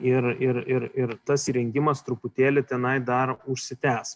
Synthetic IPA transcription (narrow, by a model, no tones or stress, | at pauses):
ɪɾɪɾɪɾɪɾt̪ɐsiɾʲɛŋʲɡʲɪmɐst̪ɾʊpʊt̪ʲeːlʲɪt̪ʲɛnɐɪd̪ɐɾʊʃʲsʲɪt̪ʲæːs